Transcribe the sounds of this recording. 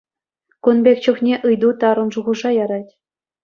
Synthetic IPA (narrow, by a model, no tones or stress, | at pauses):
kunbʲekʲt͡ɕuχnʲeʔɯjd̪ut̪ɑɾɤ̆nʐuʁɤ̆ʐɑjɑɾɑtʲ